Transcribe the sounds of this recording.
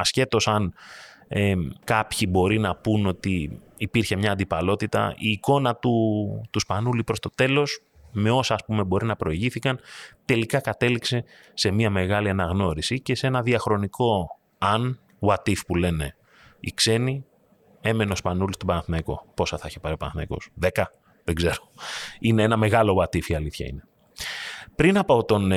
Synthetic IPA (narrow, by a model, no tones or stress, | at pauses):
ɐsce̞t̪o̞sɐn | ekɐpçibo̞ɾinɐpuno̞t̪iː | piɾçe̞mɲɐːnd̪ipɐlo̞t̪it̪ɐ̰ʔiːko̞nɐt̪ut̪uspɐnulipɾo̞st̪o̞t̪e̞lo̞s | me̞o̞sɐːspume̞bo̞ɾinɐpɾo̞iʝiθikɐnt̪e̞likɐkɐt̪e̞likse̞ | se̞miɐme̞ɣɐliɐnɐɣno̞ɾisice̞se̞nɐðiɐxɾo̞niko̞ | ɐn | wɐt̪ifpule̞ne̞ | ikse̞ni | e̞me̞neo̞spɐnulist̪o̞bɐnɐθnɐiko̞̰po̞sɐθɐiçepɐɾio̞pɐnɐθnɐ̰iko̞̰sðe̞kɐ | ðeɡze̞ɾo̥ine̞enɐme̞ɣɐlo̞ɐt̪ifiɐliθçɐ̰ḭne̞ | pɾinɐpoot̪o̞n